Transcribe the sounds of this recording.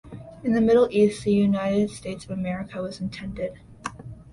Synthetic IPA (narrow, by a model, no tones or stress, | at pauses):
ɨ̃nðɨmɪɾl̩ˠist̪̚ðɨjʉnaɪɾɨd̥steɪtsʌvəmɛɹɨkʰəwʌz̃n̩tʰɛ̃ndɪd̥